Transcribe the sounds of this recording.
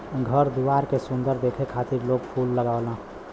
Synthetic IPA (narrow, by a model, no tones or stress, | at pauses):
ɡʱəɾd̪iʋaːɾkesʊ̃nd̪əɾd̪eːkʰekʰaːt̪iɾloːɡpʰuːlːəɡaolã